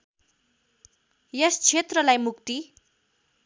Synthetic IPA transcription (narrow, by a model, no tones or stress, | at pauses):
jʌst͡sʰet̪rʌlajmukt̪i